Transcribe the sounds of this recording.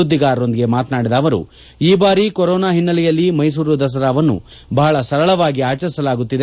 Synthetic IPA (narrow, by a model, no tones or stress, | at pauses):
ud̪ːiɡaːɾo̞nd̪iɡe̞maːt̪naːɽid̪ɐːʋɐɾṵ | iːbaːɾikoɾɔːnaːɦinːɐlɛjɐlːimɐjs̬uːɾud̪ɐs̬ɐɾaːʋɐnːṵ | bɐɦɐɭɐsɐɾɐɭɐʋaːɡiaːt͡ʃɐɾisɐlaːɡut̪ːid̪e